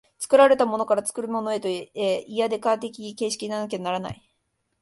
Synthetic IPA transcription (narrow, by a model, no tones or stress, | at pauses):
t͡sɨ̥kɯ̟ɾaɾe̞t̪amo̞no̞kaɾat͡sɨ̥kɯ̟ɾɯ̟mo̞noe̞t̪oeeiad̪e̞kaːt̪̬e̞kʲike̞ːɕi̥kʲiɲinanak̬eanaɾana̰i